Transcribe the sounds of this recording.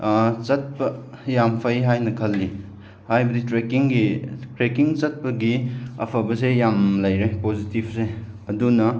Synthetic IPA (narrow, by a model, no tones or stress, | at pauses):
t͡ʃɐt̚pɐ | jampʰɐjɦajnɐkʰɐlːi | hajbɐditɾekiŋɡitɾekiŋt͡ʃɐt̚pɐɡiɐ̰pʰɐbɐs̬ejamlɐjɾepozitib̚se | ɐdunɐ